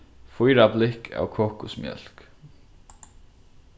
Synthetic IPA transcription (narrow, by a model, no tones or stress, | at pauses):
fʊjɾablɪkʰa̰ːwkʰɔːkʊsmjœ̰l̥k